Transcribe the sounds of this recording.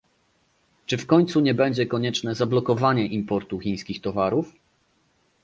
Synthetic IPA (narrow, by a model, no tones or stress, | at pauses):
t͡ʂɘfkɔɲt̪suɲɛbɛɲd͡ʑɛkɔɲɛt͡ʂnɛzablɔkɔvaɲɛʔimpɔɾt̪uxʲĩj̃skʲixt̪ɔvaɾuf